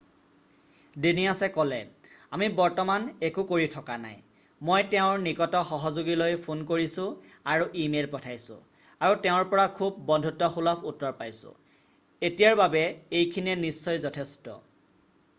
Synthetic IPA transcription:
denijasɛkɔlɛamibɔɹtɔmanekukoɹitʰɔkana̰j | mojtɛʊ̃ɹnikɔtɔxɔɦɔzoɡilojpʰonkoɹisʊ̃aɹuʔimelpɔtʰajsʊ̰̃ | aɹutɛʊ̃ɹpɔɹakʰubːɔndʱutɔxulɔputːɔɹpajsʊ̰̃ | etijaɹbabɛejkʰiniɛnisːɔjzɔtʰestɔ̰

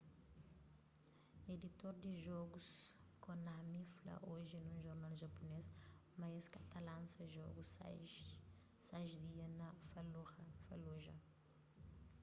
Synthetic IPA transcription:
ed̪it̪oɾd̪iʒɔɡus | kõnɐhmiflɐ̰ʔoʒinũʒoɾnalʒɐpunesmajskɐt̪alãnsɐʒɔ̰ɡus | sajʒd̪iɐnɐfɐloɐfɐloʒɐ̰

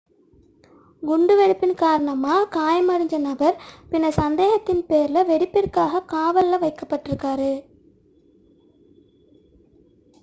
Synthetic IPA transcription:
ɡʊɳɖɯʋɛɽɪpːɪnkaːɾɐɳɐmaːkaːjɐmɐɽɪɲd͡ʒɐnɐbɐɾpɪnːɐsɐnd̪eːɣɐt̪ːɪnpeːɾlɐʋɛɽɪpːɪrkaːɣɐkaːʋɐlːɐʋɐɪkːɐpːɐʈːɪɾɯkːaːɾɯ

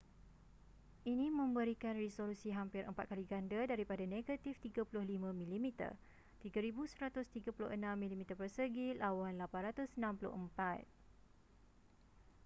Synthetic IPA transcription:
ʔinĩmə̃mbəɾikanrisolusiɦampɪɾʔə̰mpa̰t̪̚kaliɡandadaɾipadaneɡat̪ift̪iɡapulʊhlimãmĩlimit̪ə̰r | t̪iɡaɾibusəɾat̪ʊst̪iɡapulʊ̰hənãmːĩlimit̪ərpərsəɡilawanlapanrat̪ʊsənãmpulʊ̰həmpat̪̚

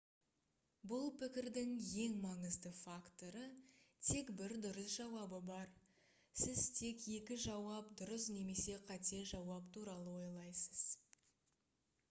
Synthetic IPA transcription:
bʊlˠpʰɪkʲɪɾd̪ɪŋje̞ŋmɑɴəzd̪əfakt̪o̞ɾət̪ʰe̞kbɪɾd̪ʊɾəsʒɑwɑbəbɑɾ | sɪzt̪ʰe̞kje̞kʲɪʒɑwɑp̚d̪ʊɾəsne̞me̞se̞qʰɑt̪e̞ʒɑwɑpt̪ʰuɾɑlˠəwo̞jlˠɑjsəz̥

